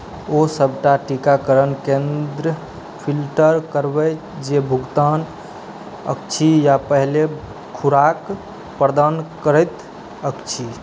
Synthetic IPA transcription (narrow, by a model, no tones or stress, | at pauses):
osəbʱʈaʈikakəɾənkẽnd̪ɾə | pʰilʈəɾkəɾbə | d͡ʒebʱuɡt̪an | ə̰kt͡ʃʰijapəɦle | kʰuɾak | pɾd̪ankəɾəjt̪ | əkt͡ʃʰi